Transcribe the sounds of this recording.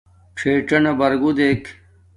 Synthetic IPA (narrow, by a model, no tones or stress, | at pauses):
ʈ͡ʂʰeːʈɐnɐbɐɾɡud̪eːkʰ